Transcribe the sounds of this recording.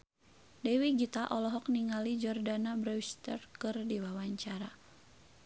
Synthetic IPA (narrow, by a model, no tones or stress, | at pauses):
dɛwiɡit̪aʔɔlɔɦɔk̚niŋalid͡ʒɔrdanabɾɛst̪ərkɨrdiwawaɲt͡ʃaɾa